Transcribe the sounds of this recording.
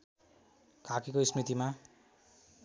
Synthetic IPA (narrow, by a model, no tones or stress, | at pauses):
kʰakekoismit̪ima